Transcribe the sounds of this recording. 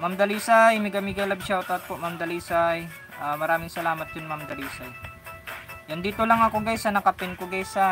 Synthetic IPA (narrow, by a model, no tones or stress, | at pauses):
mamd̪ɐliːsajmɪɡɐmiɡɐlɐbʃaot̪at̪̚poʔmamd̪ɐliːsaj | ʔamɐɾaːmɪŋsɐlaːmɐt̪̚d͡ʒʊnmamd̪ɐliːsaj | jɐnd̪iːt̪olaŋɐkoɡajsɐnɐkɐpɪnkoɡajsa